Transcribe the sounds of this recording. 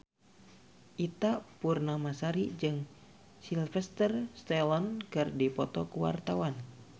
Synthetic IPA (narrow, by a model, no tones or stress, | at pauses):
ʔit̪apurnamasaɾid͡ʒɨŋ | silfɛst̪ərst̪ɛlɔnkɨrdipɔt̪ɔkuwa̰rt̪awan